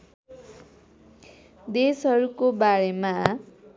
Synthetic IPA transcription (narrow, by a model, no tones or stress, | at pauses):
d̪esɦʌɾukobaɾema